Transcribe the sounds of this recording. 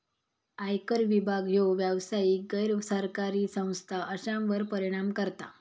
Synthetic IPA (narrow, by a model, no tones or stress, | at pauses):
ajkəɾʋibʱaɡɦowʋjəʋsaikɡəjɾsəɾkaɾiːsə̃w̃st̪ʰaʔəɕãmʋəɾpəɾiɽ̃amkəɾt̪a̰